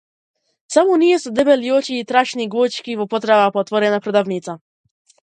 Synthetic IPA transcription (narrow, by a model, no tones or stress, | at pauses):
t̪sawɔnʲijɛsd̪ɛbɛljɔt͡ɕiːt̪ɾaɕnʲiɡwɔt͡ɕkʲivɔpɔt̪ɾavapɔt̪vɔɾɛnapɾɔd̪avɲit̪sa